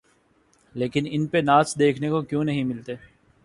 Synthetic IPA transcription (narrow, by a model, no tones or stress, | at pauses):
leːkɪnɪnpenaːsd̪eːkʰnekokjõːnɐɦĩmɪlt̪eː